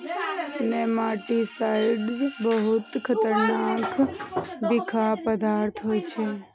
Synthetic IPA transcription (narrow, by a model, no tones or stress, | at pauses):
nemaːʈisaɪɖzbəɦʊt̪kʰət̪əɾnaːk | bɪkʰapəd̪aːɾt̪ʰɦoːt͡ʃʰe